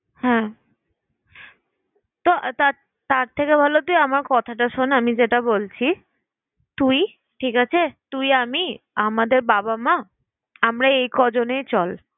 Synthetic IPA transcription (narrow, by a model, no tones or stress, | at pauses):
hɛ̃ | t̪oʔt̪a | t̪aɾt̪ʰekebʱalot̪ujamaɾkɔt̪ʰaʈaʃonamid͡ʑeʈabolt͡ɕʰi | t̪uj | ʈʰikat͡ɕʰet̪ujamiamad̪eɾbabama | amɾaejkɔd͡ʑonejt͡ɕɔl